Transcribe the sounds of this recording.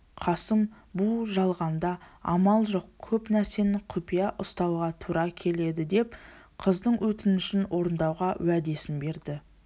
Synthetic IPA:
qʰɑsəm | buʒɑlˠʁɑnd̪ɑɑ̰mɑlˠʒo̞q̚kʲʰɵpnæɾse̞nɪqʰʊpijɑʔʊst̪ɑwʁɑt̪ʰuɾɑkʲʰe̞le̞d̪ɪd̪e̞p | qʰəzd̪əɴwɵt̪ɪnɪʃɪnwo̞ɾənd̪ɑwʁɑwæd̪e̞sɪnbe̞ɾd̪ɪ

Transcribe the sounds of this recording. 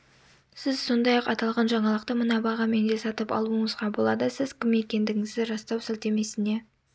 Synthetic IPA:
sɪz̥so̞nd̪ɑjɑqɑt̪ɑlˠʁɑnʒɑɴɑlˠəqt̪əmənɑbɑʁɑme̞nd̪e̞sɑt̪əpɑ̰lˠuəɴəzʁɑbo̞lˠɑd̪əsɪz̥kʲʰɪme̞kʲe̞nd̪ɪɡʲɪŋɪzd̪ɪɾɑst̪ɑwsɪlt̪e̞me̞sɪne̞

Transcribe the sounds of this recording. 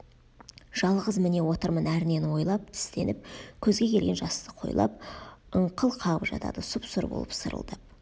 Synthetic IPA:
ʒ̥ɑlˠʁəzmɪne̞wo̞t̪əɾmənæɾne̞nwo̞jlˠɑp̚t̪ʰɪ̥st̪e̞̰nɪp̚kʲʰɵzɡʲe̞kʲʰe̞lɡʲe̞nʒɑst̪əqʰo̞̰jlˠɑ̰p̚əɴqʰəlˠqʰɑʁəpʒɑ̰t̪ɑ̰d̪əsʊpsʊɾbo̰lˠə̰psəɾə̰lˠd̪̥ə

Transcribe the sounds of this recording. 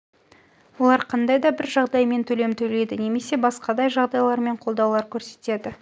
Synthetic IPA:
wo̞lˠɑɾqʰɑnd̪ɑjd̪ɑbɪɾʒɑʁd̪ɑjme̞nt̪ʰɵle̞mt̪ʰɵle̞jd̪ɪneme̞se̞bɑsqɑd̪ɑjʒɑʁd̪ɑjlˠɑɾme̞ɴqʰolˠd̪ɑwlˠɑɾkʲʰɵɾse̞̥t̪e̞d̪ɪ

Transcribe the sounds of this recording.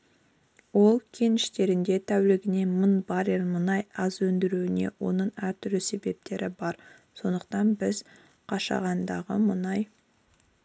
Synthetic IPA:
wo̞lˠkʲʰe̞nɪʃt̪e̞ɾɪnd̪e̞t̪ʰæwlɪɡʲɪne̞mənbɑɾelmʊnɑjɑzɵnd̪ɪɾuwɪne̞̰wʔo̞nəɴæɾt̪ʰʏlɪse̞be̞p̚t̪e̞ɾɪbɑɾ | so̞nd̪əqt̪ɑnbɪz̥ | qʰɑʃɑ̰ʁɑnd̪ɑʁə̰mʊnɑj

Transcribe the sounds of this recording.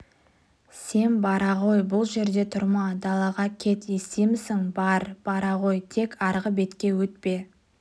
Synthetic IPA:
se̞nbɑɾɑʁo̞jbʊlˠʒe̞ɾd̪e̞t̪ʰʊɾmɑd̪ɑlˠɑʁɑkʲʰe̞t̪je̞se̞mɪsɪŋbɑɾb̥ɑɾɑʁo̞jt̪ʰe̞kʰɑɾʁəbe̞t̪kʲe̞wɵt̪̚pe̞

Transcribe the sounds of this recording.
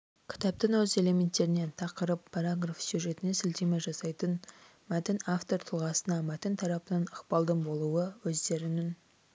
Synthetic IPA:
kʲʰɪ̥t̪ɑp̚t̪əŋwɵze̞le̞mʲe̞nt̪ːe̞ɾɪne̞nt̪ʰɑqəɾəpʰːɑɾaɡrafsyʒe̞t̪ɪne̞sɪlt̪emeʒɑsɑjt̪ən | mæt̪ɪnaft̪o̞ɾt̪ʰəlˠʁɑsənɑmæt̪ɪnt̪ʰɑɾɑpənɑnəqpɑlˠd̪ənbo̞lˠuwəwɵzd̪e̞ɾɪnɪn

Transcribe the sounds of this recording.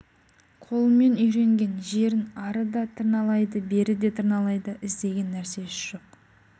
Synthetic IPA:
qʰo̞lˠəme̞nʏjɾe̞ŋɡʲe̞nʒe̞ɾɪnɑɾəd̪ɑt̪ʰəɾnɑlˠɑjd̪əbe̞ɾɪd̪e̞t̪ʰəɾnɑlˠɑjd̪əʔɪzd̪e̞ɡʲe̞nːæɾse̞ʒ̥o̞q

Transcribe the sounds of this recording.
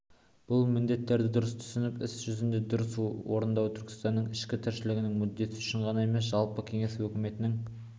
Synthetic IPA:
b̥ʊlˠmɪnd̪e̞t̪ːe̞ɾd̪ɪd̪ʊɾəst̪ʰʏ̥sɪnɪpɪsʒ̥ʏzɪnd̪e̞d̪ʊɾəsuwo̞ɾənd̪ɑwət̪ʰʏɾkʲɪ̥st̪ɑnːəɴɪʃkʲɪt̪ʰɪɾʃɪlɪɡʲɪnɪŋmʏd̪ːe̞t̪ɪʏ̥ʃɪɴʁɑnɑe̞me̞sʒɑlˠpəkʲʰe̞ŋe̞swɵkʲɪme̞t̪ɪnɪŋ

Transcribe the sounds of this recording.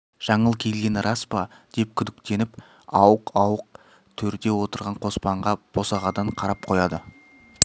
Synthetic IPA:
ʒ̥ɑɴəlˠkʲʰe̞lɡʲe̞nrʔɑspɑ | d̪̥e̞p̚kʲʰʏd̪ɪk̚t̪e̞nɪp | ɑwəqɑwəq̚ | t̪ʰɵɾd̪e̞wo̞t̪əɾʁɑɴqʰo̞spɑɴʁɑb̥o̞sɑʁɑd̪ɑɴqʰɑɾɑp̚qʰo̞jɑd̪ə

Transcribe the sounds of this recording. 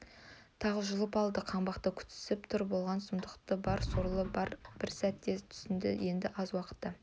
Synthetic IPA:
t̪ʰɑʁəʒʊlˠəpɑlˠd̪əqʰɑɴbɑqt̪əkʲʰʏ̥t̪sɪ̥sɪpt̪ʰʊɾbo̞lˠʁɑnsʊmd̪əqt̪əbɑɾsoɾlˠəbɑɾb̥ɪɾsæt̪ːe̞t̪ʰʏ̥sɪnd̪ɪ̰je̞nd̪ɪʔɑzwɑqə̥t̪ːɑ

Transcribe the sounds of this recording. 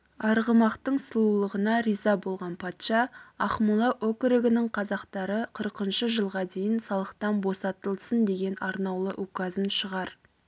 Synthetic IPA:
ɑɾʁəmɑqt̪əɴsəlˠulˠəʁənɑɾijzɑbo̞lˠʁɑnpʰɑt̪ʃɑɑχmulˠɑʔokɾɪɡʲɪnɪɴqʰɑzɑqt̪ɑɾəqʰəɾəqənʃəʒəlˠʁɑd̪e̞jɪnsɑlˠəqt̪ɑnbo̞sɑt̪əlˠsənd̪e̞ɡʲe̞nɑɾnɑwlˠəʔukɑzənʃəʁɑɾ

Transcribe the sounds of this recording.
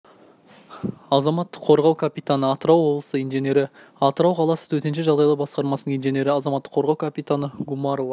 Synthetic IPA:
ɑzɑmɑt̪ːəqʰːo̞ɾʁɑwkʰapit̪anəɑt̪əɾɑwːo̞blˠəsəijnʒe̞nʲe̞ɾɪ | ɑt̪əɾɑwqʰɑlˠɑsət̪ʰɵɾt̪e̞nʃ̬eʒɑʁd̪ɑjlˠəbɑsqɑɾmɑsənəɴijnʒe̞nʲe̞ɾɪɑzɑmɑt̪ːə̥qʰo̞ɾʁɑwkʰapʲijt̪anəɡumɑɾovɑ

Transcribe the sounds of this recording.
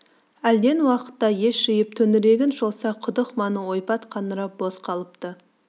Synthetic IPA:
æld̪e̞nwɑqə̥t̪ːɑje̞ʃːɪjɪp̚t̪ʰɵnɪɾe̞ɡʲɪnʃolˠsɑqʰʊd̪əχmɑnəwo̞jpɑt̪qʰɑnəɾɑp̚bo̞sqʰɑlˠəp̚t̪ə

